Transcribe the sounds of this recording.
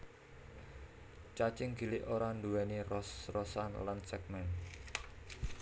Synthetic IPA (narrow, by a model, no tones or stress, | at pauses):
t͡ʃat͡ʃɪŋɡi̤lɪʔoɾanduwɛnirɔsrɔsanlansɛk̚mɛn